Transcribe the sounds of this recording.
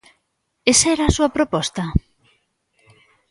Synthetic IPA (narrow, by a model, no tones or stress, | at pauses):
esaɛɾaːsuapɾopɔst̪a